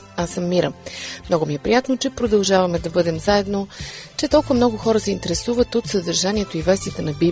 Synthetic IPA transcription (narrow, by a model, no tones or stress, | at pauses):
asɐmːiɾəmnɔɡʊmiɛpɾijat̪not͡ʃɛpɾod̪ɐlˠʒavɐmɛd̪ɐbɤd̪ɛmzaɛd̪not͡ʃɛt̪ɔlˠkʊvɐmnɔɡʊxɔɾəsɛint̪ɛɾɛsuvət̪ot̪sɐd̪ɐɾʒaniɛt̪oivɛst̪iət̪ənɐbi